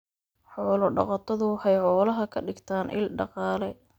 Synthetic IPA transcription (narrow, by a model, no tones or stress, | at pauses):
ħɔːlɔɖɑ̰qɑt̪ʰɐðʊhɛjħɔːlɐɦɐkʰɐɖɪɡt̪ʰaːnʔɪ̰lɖɑqɑːlɛ